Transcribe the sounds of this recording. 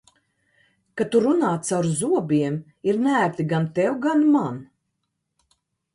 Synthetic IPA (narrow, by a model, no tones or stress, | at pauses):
kat̪uɾunaːt̪sawɾzuɔbʲiɛm | iɾnæːɾt̪iɡant̪ɛwɡanman